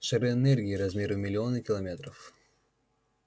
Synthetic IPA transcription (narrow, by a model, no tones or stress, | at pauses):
ʂɨɾɨɛnɛrɡʲɪːɾɐzmʲeɾɨmʲɪlʲɪo̞nɨkʲɪlˠɐmʲet̪ɾəf